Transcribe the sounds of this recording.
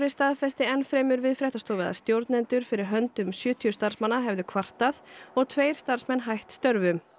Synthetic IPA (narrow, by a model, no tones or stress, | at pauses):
ɾɪst̪aːðfɛst̪ɪɛnfɾɛːmʏɾvɪðfɾɛht̪ast̪oːwvɛða̰st̪jowɾt̪nɛnt̪ʏɾ̥fɪɾɪɾ̥ɦœnt̪ʏmsjʏːt̪ʰiʏst̪aɾ̥smanːaɦɛvðʏkʰvar̥t̪aθɔɣt̪ʰveːjɾ̥st̪ar̥smɛnːɦajht̪st̪œɾvʏm